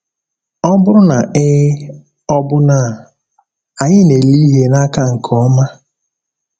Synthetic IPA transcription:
ɔ˦bʊ˦ɾʊ˦na˨ɪ˦ | ɔ˦bʊ˦na˦˨ | a˨ɲɪ˦ne˨li˦ɦe˦na˦ka˦ŋ̩˨kʰɔ˦ma˦

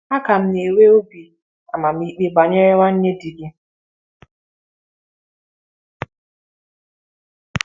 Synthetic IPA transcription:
a˦ka˨m̩˦ne˨we˦o˦bi˨ | a˨ma˨m̩˦i˦k͡pe˦ɡ͡ba˨ɲe˦ɾɪ˦wa˦n̩˦ɲe˦di˨ɡɪ˦

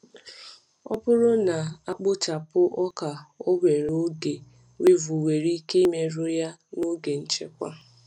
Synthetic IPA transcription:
ɔ̰˦pʊ˦ɾʊ˦na˨a˦k͡pʊ˦t͡ʃa˨pʊ˦ʔɔ˦ka˨o˦ɡʷe˨ɾo˦ɡe˨ | we˦vu˨we˨ɾi˦ke˦i˦me˦ɾʊ˦ja˦no˦ɡe˨n̩˦t͡ʃe˦kʷa˦

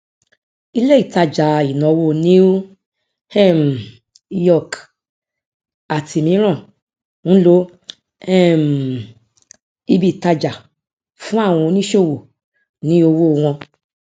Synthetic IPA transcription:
i˧le˦i˦˨ta˧d͡ʒa˨i˨nɔ̃˨˧wo˦˨nĩ˦ | hɛ˦˨m˨ | i˦jɔ˦˨k | a˨tʰi˧mĩ˨˦ɾ̃ã˦˨ | n̩˦lo˦ | ɛ˦˨m˨ | i˧bi˦˨ta˧d͡ʒa˨ | fũ˦a˦˨w̃ɔ̃˧nĩ˦ʃo˦˨wo˨ | nĩ˨˦o˧wo˦˧w̃ɔ̃˧

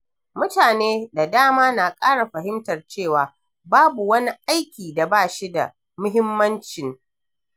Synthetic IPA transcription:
mʊ˦taː˨neː˦da˨daː˦maː˦na˨kʼaː˦ɽa˨ɸɐ˨ɦɪ˦mtɐ˨rt͡ʃeː˦˨waː˨ | baː˦bu˨wɐ˦ni˦ʔa˦jkʲiː˨da˨baː˦˨ʃi˦da̰˨ | mʊ˦ɦɪ˦mːɐ˦nt͡ʃɪ˨ŋ

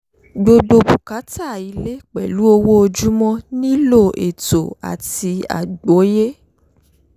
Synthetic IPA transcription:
ɡ͡bo˧ɡ͡bo˧bu˨ka˨˦ta˦˨i˨˧le˦k͡pɛ̰˨lu˨˦o˧wo˦o˧d͡ʒu˦mɔ̃˦nĩ˦lo˦˨ḛ˨to˨a̰˨ti˧a̰˨ɡ͡bo˨˦je˦

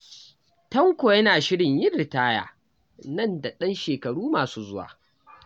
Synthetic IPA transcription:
tɐ˦ŋkʷo˨jɐ˦naː˨ʃɪ˦ɽɪ˨ɲjɪ˦nːɪ˨taː˦ja̰ː˨ | nɐ˦nda˨ɗɐ˦nʃeː˨kɐ˨ɽuː˦maː˨suː˦zʊ˦wa̰ː˨

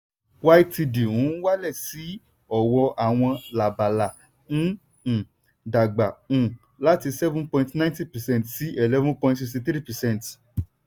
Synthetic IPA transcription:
wa˦i˦ti˧di˨ũ˨˦wa˦lɛ˦˨si˨˦ | ɔ˦˨wɔ˧ʔa˨w̃ɔ̃˧la˨ba˨la˨ | ñ̩˦˨ | da˨ɡ͡bã˨ | la˨˦ti˧sɛ˦vũ˦pɔ̃˧ĩ˧tnã˦ĩ˦ti˦pɛ˨sɛ̃˦˨n˨tsi˦e˨lɛ˦vũ˦pɔ̃˧ĩ˧tsi˧sĩ˧tɾi˦pɛ˨sɛ̃˦˨nt

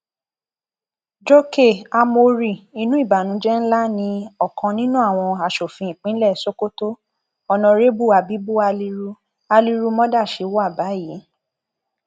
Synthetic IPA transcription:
d͡ʒo˦ke˦˨a˧mo˧ɾi˦˨i˧˦nũ˦i˦˨ba˨nũ˨˦d͡ʒɛ˦n̩˦la˦nĩ˧ɔ˨kã˧nĩ˦nũ˦a˦˨w̃ɔ̃˧a˧˨ʃo˨fĩ˧ĩ˨k͡pĩ˦lɛ˦˨so˦ko˦to˦ | ɔ˧˨nɔ̃˧ɾe˦bu˦˨a˧bi˨˦bu˦a˧li˧ɾu˧ | a˧li˧ɾu˧mɔ̃˦da˦˨ʃe˧˦wɔ˦a˦˨ba˨˦ji˨˦

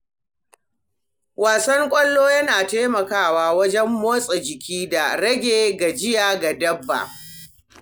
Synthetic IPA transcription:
waː˨sɐ˦ŋkʷʼɐ˦lːoː˦jɐ˦naː˨taː˦mɐ˨kaː˦˨waː˨wɐ˦d͡ʒɛ˦mːoː˦sʼe˨d͡ʒɪ˨kʲʰiː˦da˨ɽɐ˦ɡʲeː˨ɡa˨d͡ʒɪ˦jaː˨ɡa˨dɐ˦bːa̰˨

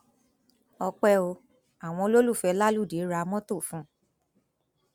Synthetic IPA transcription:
ɔ˧k͡pɛ˦o˧ | a˨w̃ɔ̃˧lo˦lu˦˨fɛ˧˦la˦lu˦˨de˨˦ɾa˧mɔ̃˦to˦˨fũ˨˦

